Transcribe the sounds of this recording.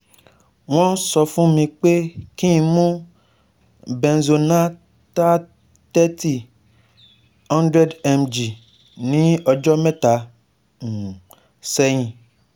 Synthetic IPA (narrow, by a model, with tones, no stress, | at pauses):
w̃ɔ̃˦sɔ˧fũ˦mĩ˧k͡pe˦kĩ˦ĩ˧mũ˦ | bɛ̃˧n˨zo˧nã˦ | ta˦ | tɛ˦ti˦ | hɔ̃˦ndɾɛ˦dɛ˧md͡ʒi˨ | nĩ˦ɔ˧d͡ʒɔ˦mɛ̃˦tã˨ | sɛ˦j̃ĩ˧